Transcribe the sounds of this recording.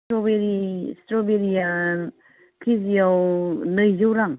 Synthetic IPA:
tɾobeɾistɾobeɾija | kʰizijawnɯjzɯwɾaŋ

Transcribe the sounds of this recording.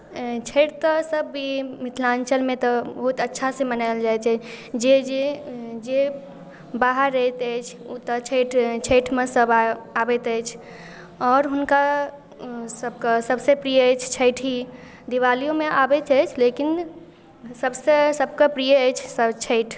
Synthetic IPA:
t͡ʃʰəʈt̪əsəbʱːimit̪ʰlãnt͡ʃəlmẽt̪ɔbəɦut̪ətːʃʰasẽmənald͡ʒajt̪ɛd͡ʒed͡ʒed͡ʒe | baɦəɾːəɦɛt̪əjt͡ʃʰut̪ɔt͡ʃʰəʈʰt͡ʃʰəʈʰmesəbaabɛt̪əjt͡ʃʰ | ɔːɾɦunka | səb̚kəsəbsepɾijəət͡ʃʰt͡ʃʰəɪʈʰɦi | d̪iʋalijomeʔabɛt̪əjt͡ʃʰlekin | səbsesəbkəpɾijəjt͡ʃʰsəbt͡ʃʰəɪʈʰ

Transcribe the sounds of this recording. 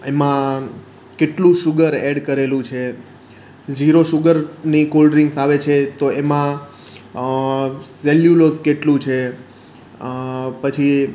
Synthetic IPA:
emã | keʈlũʃʊɡəɾeɖkəɾelũt͡ʃʰe | d͡ʒiɾoʃʊɡəɾnikolɖɾɪŋɡsaʋet͡ʃʰet̪oemã | sɛljuloskeʈlũt͡ʃʰe | pət͡ʃʰi

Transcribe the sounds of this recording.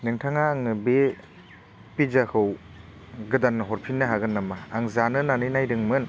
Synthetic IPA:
nɯŋtʰaŋaːŋnɯbe | pizakʰɯw | ɡɯdanːɯɦɔɾpʰinːɯɦaɡɯnːamaːŋzanɯnanɯjnajɾɯŋmɯn

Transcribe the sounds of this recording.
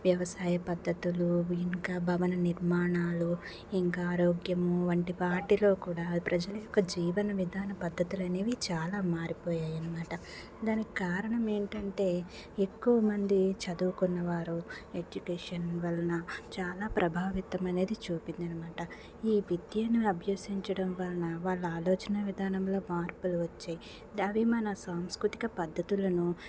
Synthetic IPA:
ʋjɐʋɐsaːjɐpɐd̪ʱːɐt̪uluiŋkaːbʱɐʋɐnɐniɾmaːɳaːlu | iŋkaːɾoːɡjɐmuʋɐɳʈipaːɾʈilo̞ːkuːɽaːpɾɐd͡ʒɐlɐjɔkːɐd͡ʒiːʋɐnɐʋid̪ʱaːnɐpɐd̪ʱːɐt̪ulɐne̞ːʋit͡ʃaːlaːmaːɾipɔːjaːjɐnɐmaːʈɐ | d̪aːniki̥kaːɾɐɳɐme̞ːɳʈɐɳʈe̞ː | ekːuʋɐmɐnd̪it͡ʃɐd̪uːkunːɐʋaːɾued͡ʒukeːʂɐnʋɐlɐnɐt͡ʃaːlaːpɾʔɐbʱaːʋit̪ɐmɐne̞ːd̪it͡ʃuːpind̪ɐnɐmaːʈɐ | iːʋid̪jɐniɐbʱjoːsiɲt͡ʃɐɽɐmʋɐlːɐnɐʋaːɭːɐaːloːt͡ʃɐnɐʋid̪ʱaːnɐmlo̞ːmaːɾpuluʋɐt͡ʃːaːji | ɐʋimɐnɐsaːmskɾut̪i̥kɐpɐd̪ʱːɐt̪ulɐnu

